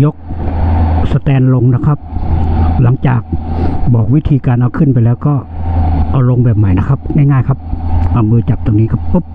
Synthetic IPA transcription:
jo˦˥k̚ | sa˧t̪ɛː˧nlo˧ŋna˦˥kʰa˦˥p̚ | la˩˦ŋt͡ɕaː˨˩k̚bɔː˨˩k̚wi˦˥t̪ʰiː˧kaː˧nʔa˧wkʰɯ˧˥˩npa˧jlɛː˦˥wkɔː˥˩ʔa˧wlo˧ŋbɛː˨˩p̚ma˨˩˦jna˦˧˥kʰa˦˥p̚ŋa˥˩jŋaː˥˩jkʰa˦˥p̚ʔa˧mɯː˧t͡ɕa˨˩p̚t̪oː˧ŋniː˦˥kʰa˧˩po˦˥p̚

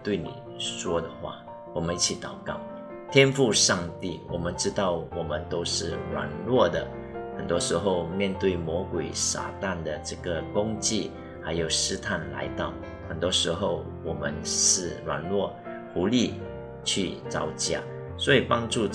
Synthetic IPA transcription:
t̪we˥˩ɪnḭ˨˩ | ʂwɔ˥d̪ə˨xwa̰˥˩ | wɔ˨˩mə˦ni˥˩t͡ɕʰi˨˧˥t̪ɑ˨˩ʊkɑ̰˥˩ʊ | t̪ʰjɛ˥nfu˥˧ʂɑ˥˧ŋt̪i˥˩wɔ˨˩mə˨˦nʈ͡ʂɻ̩˥t̪ɑ˥˩ʊwɔ˨˩mə˦nt̪o˥ʊʂɻ̩˥˩ɻwa̰˨˩nlwɔ˥˩d̪ə˩ | xə˨˩nt̪wɔ˥ʂɻ̩˧˥xo˥˧ʊmjɛ˥˧nt̪we˥˩ɪmwɔ˧˥kwe˨˩ɪsa̰˨˩t̪a˥˨nd̪ə˩ʈ͡ʂɤ˥˩ɡə˨kʊ˥ŋt͡ɕi˥˩ | ha˧˥ɪjo˨˩ʊʂɻ̩˥t̪ʰa˥˩nla̰˧˥ɪt̪ɑ˥˩ʊ | xə˨˩nt̪wɔ˥ʂɻ̩˧˥xo˥˩ʊ | wɔ˨˩mə˦nʂɻ̩˥˩ɻwa̰˨˩nlwɔ˥˩ | xu˧˥li˥˧ | t͡ɕʰy˥˩t͡sɑ˧˥˩ʊt͡ɕja̰˥˩ | swɔ˧˥i˨˩pɑ˥ŋʈ͡ʂu˥˧

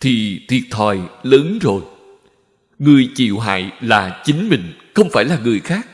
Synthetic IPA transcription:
t̪ʰi˨˩t̪ʰwi˨˩ət̚t̪ʰɔː˨˩jləː˨˦nzo˨˩j | ŋɨ˨˩əjt͡ɕḭ˧˨wɦa̰ː˧˨jlaː˨˩t͡ɕï˨˦ŋ̟mï˨˩ŋ̟xə˧wŋ͡mfaː˧˩jlaː˨˩ŋɨ˨˩əjxaː˦˥k̚

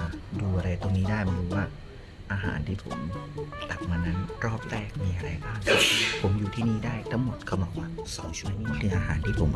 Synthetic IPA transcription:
duː˧ʔa˧ɾa˧jt̪o˧ŋniː˦˥daː˥˩jma˧u˧waː˥˩ | ʔaː˧ɦa̰ː˩˦nt̪ʰiː˥˩pʰo̰˩˦mla˨˩p̚maː˧na˦˥nɾɔː˥˩p̚ɾɛː˥˩k̚miː˧ʔa˧ɾa˧jbaː˥˩ŋʰ˥˩pʰo˩˦mjuː˨˩t̪ʰiː˥˩niː˥˩daː˥˩jt̪ʰa˦˥ŋmo˨˩t̪̚kʰa˧˩mbɔː˨˦kwaː˥˩sɔ̰ː˩˦ŋt͡ɕʰu˥ə˧niː˦˥˩kʰɯː˧ʔaː˧ɦaː˩˦nt̪ʰiː˥˩pʰo˩˦m

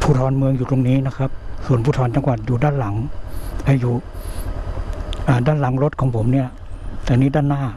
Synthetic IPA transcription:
pʰuː˧˩t̪ʰɔː˧nmɯ˧əŋjuː˨˩t̪o˧ŋniː˦˥na˦˥kʰa˦˥p̚su˨˩ənpʰuː˧˩t̪ʰɔː˧nt͡ɕa˧ŋkwaː˨˩t̪̚juː˨˩daː˥˩nla˩˦ŋhʰa˧˩juː˨˩ | ʔaː˨˩daː˥˩nla˩˦ŋɾo˦˥t̪̚kʰɔː˨˩˦ŋpʰo˩˦mni˥˩ɐ | t̪ɛː˨˩niː˦˥daː˥˩nːaː˥˩

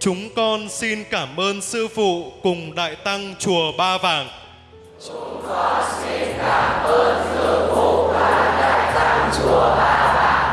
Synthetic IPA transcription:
t͡ɕʊ˨˦ŋ͡mkɔ˧nsi˧nkaː˧˩mʔəː˧nsɨ˧fṵ˧˨kʊ˨˩ŋ͡mɗa̰ː˧˨jt̪a˧ŋt͡ɕu˨˩əɓaː˧vaː˨˩ŋ | t͡ɕʊ˨˦ŋ͡mkɔ˧nsi˧nkaː˧˩mʔəː˧nt̪ʰɨ˨˧˦əŋkʊ˨˩ŋ͡mɗaaː˨˧˩ɗa̰ː˧˨jt̪a˧ŋt͡ɕu˨˩əɓaː˧vaː˨˩ŋ

